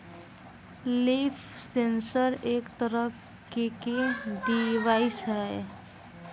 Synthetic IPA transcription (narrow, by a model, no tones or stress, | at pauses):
lifsensəɾeːkt̪əɾə | kekeɖiʋaːisɦɛe